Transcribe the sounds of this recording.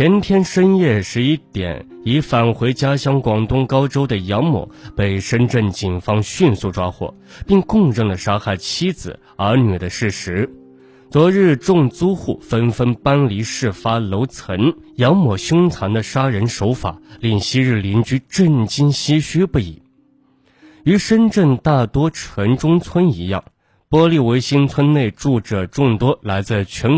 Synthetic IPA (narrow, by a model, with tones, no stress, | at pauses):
t͡ɕʰjɛ˧˥nt̪ʰjɛ˥nʂə˥njɛ˥˧ʂɻ̩˥˧i˥˩t̪jɛ̰˨˩˦n | i˧˥fa˨˩nxwe˧˥ɪt͡ɕja˥ɕjɑ˥˩ŋkwɑ˨˩ŋt̪ʊ˥˧ŋkɑ˥ʊʈ͡ʂo˥ʊd̪ə˨jɑ˧˥ŋmɔ̰˨˩˦pe˥˩ɪʂə˥nʈ͡ʂə˥˩nt͡ɕi˨˩nfɑ˥ŋɕy˥˧nsu˥˩ʈ͡ʂwa˥xwɔ̰˥˩ | pi˥˧ŋkʊ˥˧ŋɻə˥˩ŋlə˩ʂa˥xa˥˩ɪt͡ɕʰi˥d͡zɹ̩̰˨˩ | ə˞˧˥ny˨˩d̪ə˦ʂɻ̩˥˩ʂɻ̩˧˥ | t͡swɔ˧˥ɻɻ̩˥˧ʈ͡ʂʊ˥˧ŋt͡su˥xu˥˩fə˥nfə˥npa˥nli˧˥ʂɻ̩˥˩fa˥lo˧˥ʊt͡sʰə˧˥n | jɑ˧˥ŋmɔ˨˩ɕjʊ˥ŋt͡sʰa˧˥ŋd̪ə˧ʂa˥ɻə˧˥nʂo˧˥ʊfa̰˨˩˦li˥˩ŋɕi˥ɻɻ̩˥˩li˧˥nt͡ɕy˥ʈ͡ʂə˥˩nt͡ɕi˥nɕi˥ɕy˥pu˥˩ḭ˨˩˦ | y˧˥ʂə˥nʈ͡ʂə˥˧ŋt̪a˥˩t̪wɔ˥ʈ͡ʂʰə˧˥ŋʈ͡ʂʊ˥ŋt͡sʰwə˥ni˧˥jɑ̰˥˩ŋ | pwɔ˥li˥˩we˧˥ɪɕi˥nt͡sʰwə˥nne˥˧ɪʈ͡ʂu˥˩ʈ͡ʂɤ˨˩ʈ͡ʂʊ˥˩ŋt̪wɔ˥la˧˥ɪt͡sɹ̩˥˧t͡ɕʰɛ˧˥n